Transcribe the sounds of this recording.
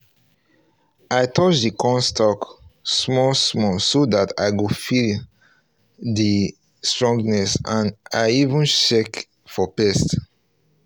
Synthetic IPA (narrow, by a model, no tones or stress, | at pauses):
aɪtʰɔt͡ʃdikʰɔ̃nstʰɔksmɔlsmɔsodata̰ɪɡofil | di | stɹɔ̃ŋɡnɛsãnaɪivũnʃɛk | fɔpɛst